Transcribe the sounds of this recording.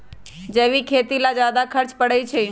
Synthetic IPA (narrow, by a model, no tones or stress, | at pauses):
d͡ʒeːʋikʰeːt̪ilad͡ʒjaːd̪akʰəɾt͡ʃpəɽeit͡ʃʰeː